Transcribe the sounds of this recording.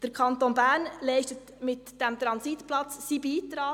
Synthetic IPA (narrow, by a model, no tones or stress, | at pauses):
d̥əɾkʰɑntonbæːɾnlɛɪʃtət | mɪtd̥ɛmt̪ɾɑnsitplɑt͡ssiːbiːt̪ɾɑː